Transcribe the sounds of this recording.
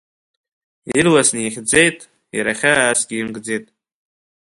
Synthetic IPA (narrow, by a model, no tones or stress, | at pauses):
irlasniχʲd͡zejtʼ | jɾaχʲaːsɡʲiimɡd͡zejtʼ